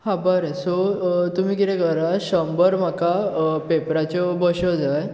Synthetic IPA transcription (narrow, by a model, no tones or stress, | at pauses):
hãbəɾəsɔt̪um̤iːkit̪ɛ̃kəɾaɕəmbəɾmakapepɾat͡ɕɔbəɕɔd͡zaj